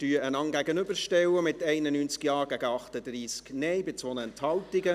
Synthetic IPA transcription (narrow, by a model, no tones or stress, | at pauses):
tyːəənɑŋɡæɡənʏbəɾʃtɛwəmɪtɛɪnənyːnt͡skjɑːɡæɡəɑχtəd̪riːsknɛɪbɪt͡sʋonəɛnthɑltɪɡə